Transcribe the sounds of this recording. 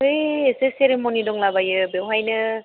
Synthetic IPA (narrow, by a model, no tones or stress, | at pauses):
ɯjeseseɾemonidɔŋlabajɯbewɦajnɯ